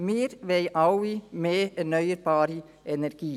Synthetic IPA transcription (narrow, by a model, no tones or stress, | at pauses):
meːɾʋeɪʔɑʊiːmeːnœʏəɾbɑːɾi | ɛnæɾɡ̥iː